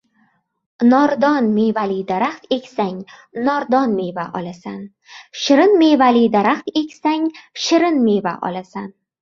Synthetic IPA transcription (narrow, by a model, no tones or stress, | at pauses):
nɒɾd̪ɒnmevalid̪aɾaχt̪e̞kʲsaŋ | nɒɾd̪ɒnme̞jvaʔɒ̰lasan | ʃɪɾɪnme̞valid̪aɾaχt̪e̞kʲsaŋʃɪɾɪnmeva̰ʔɒ̰lasan